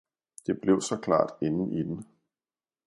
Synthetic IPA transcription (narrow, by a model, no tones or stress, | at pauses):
d̥e̝b̥le̝ʊsɒ̽kʰlɑ̰̈ːd̥enn̩ʔid̥en̩